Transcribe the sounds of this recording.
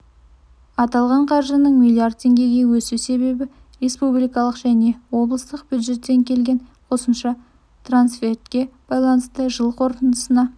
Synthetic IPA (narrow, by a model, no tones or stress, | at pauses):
ɑt̪ɑlˠʁɑɴqʰɑɾʒənəɴmiliard̪̚t̪ʰːe̞ŋɡʲe̞ɡʲe̞wɵsuse̞βe̞bɪ | re̞spublijkɑlˠəqʒæne̞wo̞blˠəst̪əq̚b̥ʲjud̪ʒe̞t̪ːe̞ŋkʲʰe̞lɡʲe̞nqʰo̞səmʃɑ | t̪ransfʲe̞rt̪kʲe̞b̥ɑjlˠɑnəst̪əʒəlˠqʰo̞ɾt̪ənd̪əsənɑ